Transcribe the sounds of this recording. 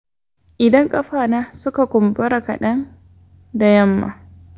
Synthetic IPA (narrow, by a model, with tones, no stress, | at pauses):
ʔɪ˨dɐ˦ŋkʼɐ˦ɸaː˨naː˦sʊ˦ka˨kʷʊ˨mbɐ˦ɾa˨kɐ̰˨ɗɐ˦n | da˨jɐ˦mːa̰ː˨